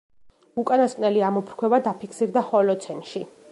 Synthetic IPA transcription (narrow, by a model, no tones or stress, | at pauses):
ukʼanaskʼnɛliamɔpʰɾkʰwɛbad̪apʰikʰsiɾd̪aχɔlɔt̪sʰɛnʃi